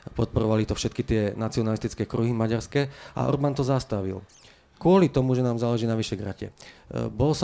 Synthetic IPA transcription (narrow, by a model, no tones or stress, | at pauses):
pɔt̪̚pɔɾɔʋalit̪ɔfʃɛt̪̚kit̪ɪɛnat͡siɔnalist̪it͡skɛːkɾuɦimaɟaɾskɛʔa̰ʔɔ̰ɾbant̪ɔzast̪aʋḭl | kʊɔlit̪ɔmuʒɛnaːmzaːlɛʒiːnaʋiʃɛɡɾacɛ̰bɔlɔs